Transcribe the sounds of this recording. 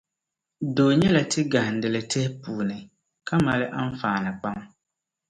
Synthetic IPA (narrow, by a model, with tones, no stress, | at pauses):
doː˨ɲɛ˦la˨tɪ˦ɡa˨hɪ˨n̩˨dɨ˨lɨ˨tɪ˦hɪ˦puː˨nɨ˨ | ka˦ma˨lɨ˦ʔa˦ɱ˦faː˨nɨ˨k͡pa˦m